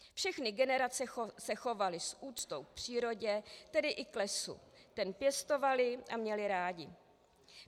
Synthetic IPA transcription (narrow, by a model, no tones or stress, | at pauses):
fʃɛxnɪɡɛnɛɾat͡sɛsɛxo̞valɪsʔuːt͡st̪o̞wk̚pr̝̥iːɾo̞ɟɛt̪ɛdɪʔɪklɛsṵt̪ɛnpjɛst̪o̞valɪʔamɲɛlɪɾaːɟɪ